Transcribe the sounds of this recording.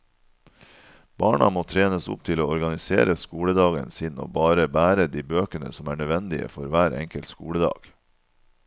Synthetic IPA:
b̥ɑːɳɑ̰moːt̪ʰɾeːnəsʊ̰p̚t̪ʰɪloːɔɾɡɑnɪsḛːɾəskuːləd̪ɑːɡə̰nsɪno̰ːbɑːɾəbæːɾəd̪iːbøːkənə̰sɔmæːɳœd̪ʋɛnd̪ɪə̰fɔɾʋæːɾʔɛ̰ŋkəlt̪skṵːɽəd̪ɑ̰ːɡ̥

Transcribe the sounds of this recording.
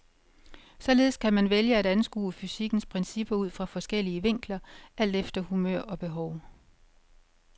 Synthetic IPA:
sɒ̽le̝ːð̞ˠskʰæmænʋeljəæɾænsɡ̥ṵːəfysiɡ̥n̩spʰʁɛnsib̥ɐuð̞̰ˠfʁɑ̈fɒ̽sɡ̥el̰iəʋe̝ŋ̰ɡ̥lɐʔæl̰d̥efd̥ɐhumø̰ɐ̰ɒ̽b̥e̝ɦɒʊ

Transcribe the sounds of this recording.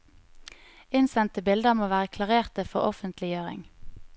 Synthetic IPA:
ɪnsɛnt̪əbɪld̪əmoːʋæːʁəkʰlɑʁeːʁt̪əfɔʁɔfənt̪lɪjøːʁɪ̰ŋ

